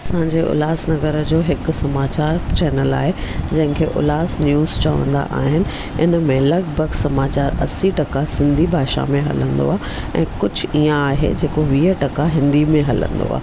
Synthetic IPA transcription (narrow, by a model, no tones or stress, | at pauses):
ɐsãːɲd͡ʑeʔʊ̰laːsnɐɡəɾəd͡ʑoːɦɪkʊ̆sɐmaːt͡ɕaːɾt͡ɕɛːnəla̰ːɦed͡ʑɐ̃ɦɪ̃ŋkʰeːʔʊ̰laːsnjuːzt͡ɕɐʋə̰̃nd̪a̰ʔa̰ːɦɪnɪ̆ | ɪnəmẽlɐɡbʱəɡsɐmaːt͡ɕaːɾɐsiʈɐkasɪ̃nd̪ʱibʱaːʃa̰mẽɦɐ̰lə̃nd̪o̰aː | ɛ̰̃ːkʊd͡ʑʱʊiːãaːɦḛd͡ʑeːkoʋiːəʈɐkaɦɪ̃nd̪imẽɦɐlə̰̃nd̪o̰a̰ː